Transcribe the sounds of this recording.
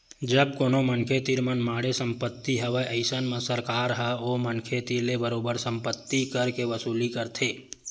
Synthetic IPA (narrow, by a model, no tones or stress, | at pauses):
d͡ʒəb̚koːnomənkʰet̪iɾmənmaːɽesə̃mpət̪ːiɦəʋeʔəɪsənmə̃səɾkaːɾɦəomənkʰet̪iɾlebəɾoːbəɾsə̃mpət̪ːikəɾkeʋəsuːlikəɾt̪ʰeː